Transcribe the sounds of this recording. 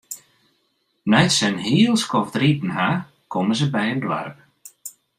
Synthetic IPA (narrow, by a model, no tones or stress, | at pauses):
nɛjtsɛnɦiəlˠskɔvtritn̩ɦa | kɔməzəbɛjəndwa̰rp